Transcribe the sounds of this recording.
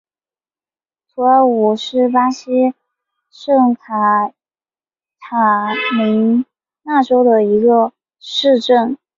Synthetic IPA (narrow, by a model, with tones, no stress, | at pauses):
t̪ʰu˧˥a˧˥˩u˨˩ʂɻ̩˥˩pa˥ɕi˥ | ʂɤ˥˩ŋt̪ʰa˧˩ | t̪ʰa˨˩mi˧˥ŋ | na˥˩ʈ͡ʂo˥ʊd̪ə˨i˧˥ɡə˧ | ʂɻ̩˥˧ʈ͡ʂə˥˩n